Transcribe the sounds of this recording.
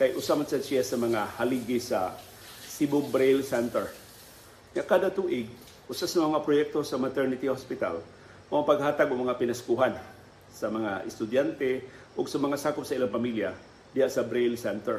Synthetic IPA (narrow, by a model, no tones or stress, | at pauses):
kajʔʊsamansasɪjasɐmɐŋahaliɡɪsa̰ | sibʊɡbɾelsɛnt̪ɛɹ | ŋaʔkaːd̪at̪uːʔɪɡ̚ | ʔʊsasɐmɐŋapɾojɛk̚t̪o̞sɐmat̪ɛɹnɪt̪ihospɪt̪a̰l | mɐŋapɐɡ̚haːt̪aɡʊɡmɐŋapɪnɐskuɦan | sɐmɐŋaʔɪst̪ʊd̪jant̪ɛ | ʔʊɡsɐmɐŋasaːkʊp̚sɐɪlaŋpamilja | d̪ɪhaʔsɐbɾelsɛnt̪ɛɹ